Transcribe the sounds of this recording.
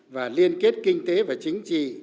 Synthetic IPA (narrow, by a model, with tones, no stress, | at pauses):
vaː˨˩li˧ənke˦˥t̚kï˧ŋ̟t̪e˨˦vaː˨˩t͡ɕï˨˦ŋ̟t͡ɕḭ˨